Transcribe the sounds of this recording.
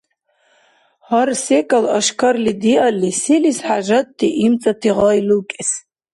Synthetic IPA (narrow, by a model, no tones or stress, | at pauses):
harsekʼalaʃkʰarlidiʔalisilisħaʒatʼːiʔimt͡sʼatʰiʁɔjlukʲʼes